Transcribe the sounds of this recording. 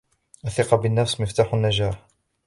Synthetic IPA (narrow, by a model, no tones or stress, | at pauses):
ʔaθɪqɑbɪnːafsmɪft̪aːħʊnːad͡ʒaːħ